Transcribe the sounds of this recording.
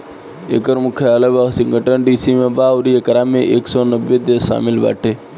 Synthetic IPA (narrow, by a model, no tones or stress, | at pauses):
ḛkəɾmʊkʰeaːləʋaksɪŋɡəʈənɖiːsiːmẽːbaːʊɾijekəɾaːmẽːʔeːksɔːnəbːed̪eːsa̰ːmɪlʋa̰ːʈʰeː